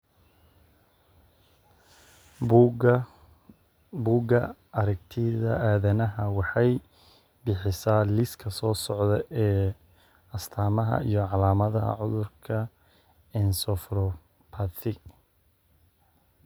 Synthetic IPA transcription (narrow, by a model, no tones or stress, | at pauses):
buːɡɐɐɾɛɡ̚t̪ʰɪðɐ̰ʔaːðɐnɐɦɐwɑħɑj | bɪħɪsaːlɪskʰɐsɔːsɔʕdɛʔɛː | ɐst̪ʰaːmɐɦɐ̰ijɔʕɑlaːmɐðɐɦɐ̰ʕʊðʊrkʰɐ | ɛnsɔfɾɔ | pʰɐθɪ